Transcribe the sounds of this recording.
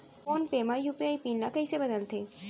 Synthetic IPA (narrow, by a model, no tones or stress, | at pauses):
poːnpeːmajupiaipiːnlakɐisebɐd̪əlt̪ʰeː